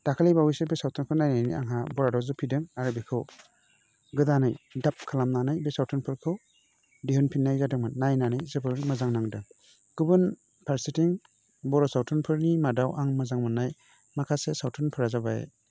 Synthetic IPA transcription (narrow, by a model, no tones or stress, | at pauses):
d̥akʰalibawisebesawtʰɔnkʰɯnajnajnḭʔa̰ŋɦabɔɾadɔzɯpʰidɯŋaɾɯbikʰɯw | ɡɯdanajdap̚kʰalamnanajbesawtʰunpʰɯɾkʰɯw | diɦɯnpʰinːajzadɯŋmanːajnanajzɯbɯɾmazaŋnaŋdɯŋ | ɡ̥ɯbɯn | pʰaɾsitiŋ | bɔɾɔsawtʰunpʰɯɾnimadawʔaŋmɯzaŋmɯnːaj | makʰasesawtʰunpʰɯɾazabaḛ